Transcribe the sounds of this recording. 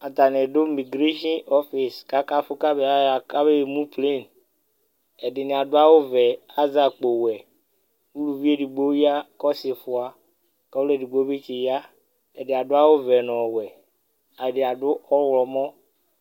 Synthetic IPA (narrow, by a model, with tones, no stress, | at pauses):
a˨t̪a˨ne˨ɖʊ˦mi˨ɡɾe˦ʃɔ̃˦nɔ˦fi˨ska˦ka˦fʊ˦ka˦be˦a˨˦a˨ka˦be˦˨mũ˦ple˦˨n | ɛ˨ɖɪ˨nɪ̃˨a˨dʊ˦a˦wo˦vɛ˨a˦za˨k͡po˨wɛ˨ | wu˦lu˨vi˦e˦di˨ɡ͡bo˦ja˦kɔ˦se˨fʊ˨a˨ | kɔ˦e˦˨di˨ɡ͡bo˦be˦t͡ʃe˨ja˦ | ɛ˨dɪ˨a˨dʊ˦a˦wo˦vɛ˨nɔ̃˨wɛ˨ | a˨ɖɪ˨a˨ɖʊ˦ɔ˦wlɔ˨mɔ̃˦